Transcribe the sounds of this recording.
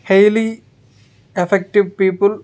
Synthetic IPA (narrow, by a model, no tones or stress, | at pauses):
hejli | efek̚ʈiʋpiːpul